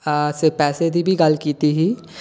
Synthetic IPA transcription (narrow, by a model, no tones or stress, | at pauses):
sepɛːsed̪ʱibʱiɡɐlkiːt̪iɦiː